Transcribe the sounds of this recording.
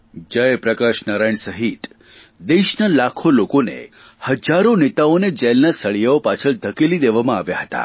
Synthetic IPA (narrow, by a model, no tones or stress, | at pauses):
d͡ʒəjpɾəkaʃnaɾajɳsəɦit̪ | d̪eʃnalakʰolokonḛ | həd͡ʒaɾonet̪aoned͡ʒɛlnasəɭijaopat͡ʃʰəɭd̪ʱəkilid̪eʋamãaʋjaɦət̪a̰